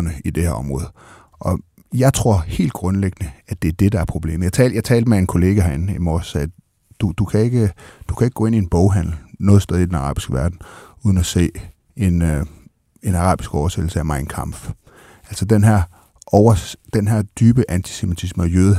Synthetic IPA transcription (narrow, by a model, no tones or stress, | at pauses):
nəid̥e̝hæ̰ɐɒ̽mʁɔ̽ːð̩ˠ | ʔɒ̽ | jɑ̈ɪt͡sʰʁo̝ɐ̰he̝̰ːld̥̚ɡ̥ʁɔ̽nleɡ̥ənəæd̥e̝æɐd̥e̝d̥ɑ̈æɐpʰʁo̝b̥le̝̰ːməjɪt͡sʰɛ̰ːljɑ̈ɪt͡sʰɛːld̥mee̝nkʰo̝le̝ːɡ̥æɦæenimɒsɛː | d̥ud̥ukʰæe̝ɡ̥əd̥u̥kʰæeɡ̥ɡɔ̽ːe̝nie̝nb̥ɔʊɦæn̰l̩nɔ̽ːð̞̩ˠsd̥ɛːð̞ˠid̥enɑ̈ʁɑ̰̈ːb̥isɡ̥əʋæɐd̥n̩uð̞ˠn̩æse̝̰ː | e̝n | e̝nɑ̈ʁɑ̰̈ːb̥isɡ̥ɒʊɐsed̥l̩səæmɑ̈ɪnkʰɑ̈m̰f | ʔæl̰sɒd̥enɦæɐ | ʔɒʊɐd̥enɦæɐ̰d̥yːb̥əʔænt͡sʰi̥semit͡sʰisməɒjøð̩ˠ